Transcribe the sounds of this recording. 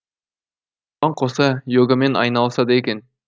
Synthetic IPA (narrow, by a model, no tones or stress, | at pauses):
ɑɴqʰosɑjoɡɑmenɑ̰jnɑlˠsɑd̪ɑekʲen